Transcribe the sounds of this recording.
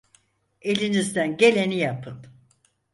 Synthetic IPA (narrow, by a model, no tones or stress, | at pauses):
e̞lʲinizd̪ænɟe̞lʲe̞nijapʰɯn